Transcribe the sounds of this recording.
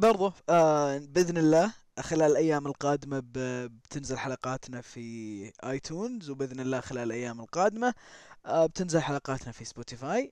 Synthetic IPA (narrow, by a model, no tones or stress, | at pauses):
bɑɾˤðˤu | bɪðnɪlːaː | xɪlaːlɪlʔajːaːmɪlqɑːd̪ɪmabbt̪ʰɪnzɪlħalɑqɑːt̪nafiʔaːjt̪ʰuːnzwbɪðnɪlːaːxɪlaːlɪlʔajːaːmɪlqɑːd̪ɪma | b̚t̪ɪnzɪlħalɑqɑːt̪nafisboːt̪ifaːj